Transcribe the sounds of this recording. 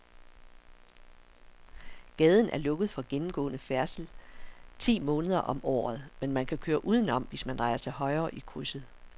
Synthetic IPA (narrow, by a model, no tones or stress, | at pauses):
ɡ̥ɛːð̞ˠən̩ʔæɐlɔ̽ɡ̥əð̩ˠfɒ̽ɡ̥enm̩ɡ̥ɔ̰̽ːnəfæɐsl̩t͡sʰḭːmɔ̽ːnəð̞ˠɐʔɒ̽mʔɒ̰ːð̞̩ˠmenmænkʰækʰøːɐʔuːð̞ˠn̩ɒ̽m̰ʋe̝smænd̥ʁɑ̈ɪɐt͡sʰe̝lɦɒ̽ɪɐːʔikʰʁusəð̩ˠ